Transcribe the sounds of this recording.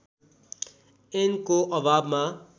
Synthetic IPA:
enkoʔʌbʱabma

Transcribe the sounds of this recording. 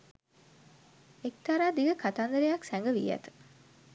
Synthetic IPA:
ek̚t̪aɾaːd̪iɡəkat̪aːnd̪əɾejɐksæŋɡəʋḭjæ̰t̪ə̥

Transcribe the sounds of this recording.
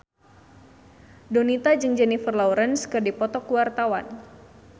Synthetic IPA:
donit̪ad͡ʒɨŋd͡ʒɛnifərlawɾənskɨrdipɔt̪ɔkuwart̪awa̰n

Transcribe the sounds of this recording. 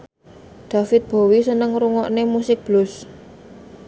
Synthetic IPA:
d̪̥a̤fɪt̪̚b̥o̤wisənəŋɾuŋɔʔnemusɪk̚b̥lʊs

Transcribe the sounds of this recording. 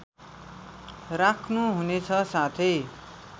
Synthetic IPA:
rakʰnuɦunet͡sʰʌsat̪ʰʌj

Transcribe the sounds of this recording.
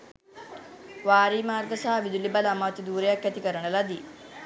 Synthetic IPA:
ʋaːɾiːmaːrɡəsaɦaʋid̪ulibaləamaːt̪id̪uːɾejakːæt̪ikəɾənəlad̪iː

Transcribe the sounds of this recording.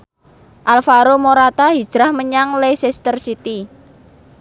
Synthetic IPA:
ʔalfaɾomoɾat̪aɦid̥ʒ̥ɾahməɲaŋlejsest̪ərsit̪i

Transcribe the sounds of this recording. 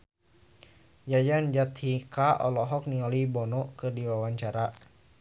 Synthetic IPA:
jajand͡ʒat̪hikaʔɔlɔɦɔk̚niɔlibɔnɔkɨrdiwawaɲt͡ʃaɾa

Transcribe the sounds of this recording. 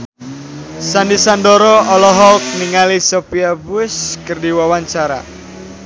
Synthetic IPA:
sandisandɔɾɔɔlɔɦɔlk̚niŋalisɔpiabuɪskɨrdiwawaɲt͡ʃaɾa̰

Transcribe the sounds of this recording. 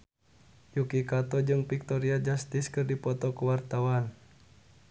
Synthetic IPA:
jukikat̪ɔd͡ʒɨŋpik̚t̪ɔɾiad͡ʒast̪iskɨrdipɔt̪ɔkuwart̪awan

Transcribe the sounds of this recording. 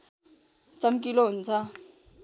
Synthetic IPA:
t͡sʌmk̬iloɦunt͡sʰʌ

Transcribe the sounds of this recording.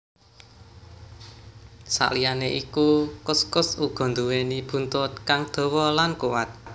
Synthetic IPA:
sa̰ʔlijaneʔikukʊskʊsuɡ̥ɔ̤nd̪uwenib̥ṳnt̪ʊt̪̚kaŋd̪̥o̤wɔlankuwat̪̚

